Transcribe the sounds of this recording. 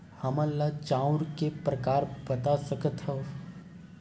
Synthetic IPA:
hɐməlːat͡ʃãːʊɾkepɾɐkaːɾbɐt̪asɐkət̪ɦɛ

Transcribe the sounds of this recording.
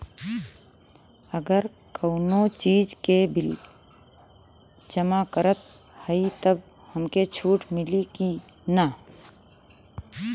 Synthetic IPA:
əɡəɾ | kəʊnot͡ʃiːd͡ʒkebɪl | d͡ʒəmakəɾət̪̚ | həit̪əb | həmket͡ʃʰuːʈmɪliki | na

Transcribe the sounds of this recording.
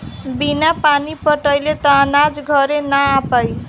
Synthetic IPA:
binapanipʌʈʌjlet̪ʌːnad͡zɡʱʌɾenaapʌj

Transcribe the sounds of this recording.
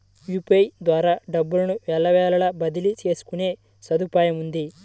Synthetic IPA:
juːpejd̪ʋaːɾaːɖɐbːulɐnuʋɛːlːɐʋɛːlɐlɐbɐd̪ilit͡ʃe̞ːsu̥kune̞ː | sɐd̪upaːjɐmund̪i

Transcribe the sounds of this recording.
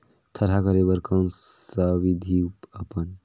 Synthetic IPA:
t̪ʰəɾɦakəɾebəɾkənsəbid̪ʱiupəpən

